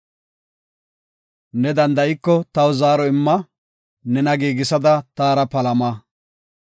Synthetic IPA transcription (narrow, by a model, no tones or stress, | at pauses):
nɛd̪ɐnd̪ɐʔɪkːɔt̪ɐwzaːɾɔɪmːɐ | nɛnɐɡiːɡɪsɐd̪ɐt̪aːɾɐpɐlɐmaː